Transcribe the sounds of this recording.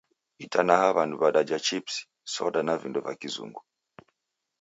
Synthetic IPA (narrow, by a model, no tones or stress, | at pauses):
itanahaβanduβaɗad͡ʒat͡ʃipsi̥ | sɔɗanavindɔvakizṵŋɡu